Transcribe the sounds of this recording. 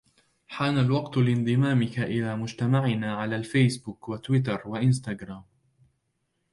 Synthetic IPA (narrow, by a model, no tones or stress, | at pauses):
ħaːnalwɑqt̪ʊlɪnd̪ˤɨmaːmɪkaʔɪlaːmʊd͡ʒt̪amaʕɪnaːʕalaːlfajsbʊkwat̪wɪt̪̬ɑɾˤwaʔɪns̬t̪aɡɾˤaːm